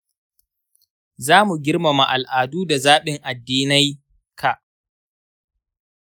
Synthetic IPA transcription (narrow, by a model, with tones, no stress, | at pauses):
zaː˦mu˨ɡʲɪ˦rma˨ma˨ʔa˨lʔaː˨duː˦da˨zaː˦ɓɪ˨ŋʔa˨dːiː˦na˦j | kʰa˨ʔ